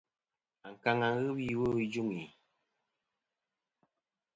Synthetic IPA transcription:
a˨ŋ̩˨ka˨ŋa˨ŋ˦ɣɨ˦bi˦˨wo˦d͡ʒu˦ŋi˨

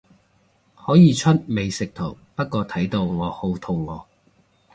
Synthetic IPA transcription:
hɔː˨˥jiː˨˧t͡ʃʰɵ˥t̚me˨˧jsɪ˨k̚t̪ʰo˨˩w | pɐ˥t̚kɔː˧t̪ʰɐ˨˥jt̪o˧wlɔː˨k̚ho˧wt̪ʰo˨wlɔː˨˩k̚

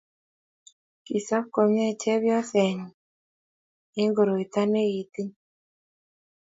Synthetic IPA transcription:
ki˨sa˦ko˨ma˦˨t͡ʃɛ˦βjɔ˦sɛ˨ɲi˨ | e˦ŋɡo˨ɾo˨i˨t̪a˦ne˦i˨t̪i˦

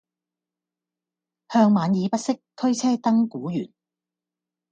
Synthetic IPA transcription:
hœː˧ŋmaː˨˧njiː˨˧pɐ˥t̚sɪ˥k̚t̪ʰɵ˥ɥt͡sʰɛː˥t̪ɐ˥ŋkuː˨˥jyː˨˩n

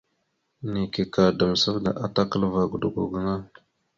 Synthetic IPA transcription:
ni˨ke˨ka˨də˨mə˨sə˦fda̰˨ʔa˦ta˦kə˦lva˨ɡu˨du˨ɡu˨ɡu˨na˦

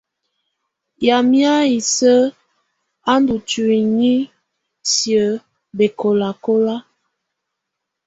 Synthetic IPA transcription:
ja˨mja˦i˨sə˦ | a˦n˦du˨tu˨i˨ɲi˦ | sjə˨˦ | be˨ko˨la˨ko˦la˦

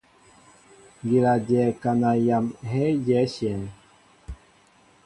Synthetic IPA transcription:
ŋɡi˨la˨djɛ˨ka˨na˨ja˨mɦɛ˦jɛ˨˦sjɛ˨n

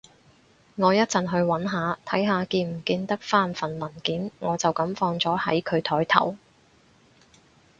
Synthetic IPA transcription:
ŋɔː˨˧jɐ˥t̚t͡sɐ˨nɦɵ˧ɥwɐ˨˥nɦaː˨˧t̪ʰɐ˨˥jɦaː˨˧kiː˧m̩˨˩kiː˧nt̪ɐ˥k̚faː˥˩nfɐ˨˩nmɐ˨˩nkiː˨˥nŋɔː˨˧t͡sɐ˨wkɐ˨˥mfɔː˧ŋt͡sɔː˨˥hɐ̰˨˥jkʰɵ˨˧ɥt̪ʰɔː˨˥jt̪ʰɐ̰˨˩w

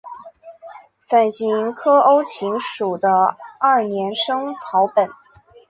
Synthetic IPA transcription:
fa˨˩nɕi˧˥ŋkʰɤ˥ʔo˥ʊt͡ɕʰi˧˥ŋʂu˨˩d̪ə˦ɐ˥˩njɛ˧˥nʂɤ˥ŋt͡sʰɑ˧˥ʊpə˨˩˦n

